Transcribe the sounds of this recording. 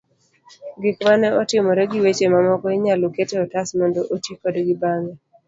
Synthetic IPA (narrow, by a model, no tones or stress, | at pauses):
ɡɪkmanɛɔtɪmɔɾɛɡɪwet͡ʃemamɔkɔɪɲaloketɛɔtasmɔndoʔotikɔdɡɪbaŋɛ